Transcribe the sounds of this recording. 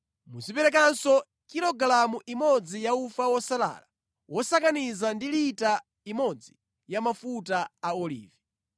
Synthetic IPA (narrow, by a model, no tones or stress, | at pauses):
muzipɛɾɛk̬ansɔ | kiɾɔɡlamuʔimɔd͡zijaufawɔsala̰la | wʔɔsakanizandilita | imɔd͡zi | jamafutaaɔlḭːvi